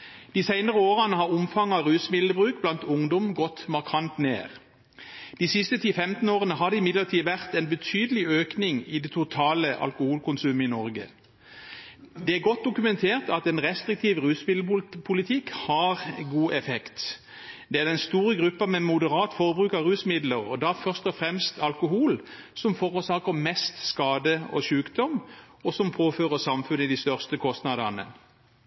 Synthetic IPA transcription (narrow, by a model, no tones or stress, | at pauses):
d̪̥iːsæɪnəʁəoːʁənəhɑʁʊmfɑŋɑʋʁʉːsmɪlləbʁʉːk̚blɑnt̪ʊŋd̪ɔmɡɔt̪mɑʁkʰɑnt̪nḛːʁ | d̪̥iːsɪst̪ət̪ʰiːfɛmt̪n̩oːʁənəɦɑd̪əɪmɪd̪ləʁt̪ʰiːʋæʁt̪ɛnbət̪ʰyːd̪əlɪøːknɪŋɪd̪ɛːt̪ʰʊt̪ʰɑːləʔɑ̰lkʊhuːlkʰʊnsʉːməɪnɔʁɡə̰ | d̪ɛæɡɔt̪̚d̪ʊkʉmɛnt̪ʰeːʁt̪ɑt̪ɛnʁɛst̪ʁɪk̚t̪ʰiːʋʁʉːsmɪlpʰʊlɪt̪ʰɪkhɑʁɡuːʔɛfɛkt̪ | d̪ɛæʁd̪ɛnst̪uːʁəɡʁʉpːɑmɛmʊd̪əʁɑːt̪fɔʁbʁʉːkɑʁʉːsmɪd̪ləʁɔd̪ɑfœʁst̪ɔfʁɛmst̪ɑlkʊhuːl | sɔmfɔʁʊsɑːkəmɛst̪skɑːd̪əɔ̰ʃʉːkd̪ɔm | ɔsɔmpʰoːføːʁəsɑmfʉnːɪd̪ɪst̪œʁst̪əkʰɔst̪nɑd̪ɑnə̰